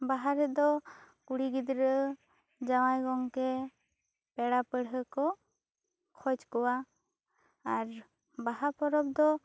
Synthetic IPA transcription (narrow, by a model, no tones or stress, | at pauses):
baɦaɾɛd̪ɔ | kuɽiɡid̪ɾəʔ | d͡ʒawajɡɔŋkɛ | pɛɽapəɽɦəkɔ | kʰɔd͡ʒkɔwa | aɾ | baɦaɾpɔɾɔp̚d̪ɔ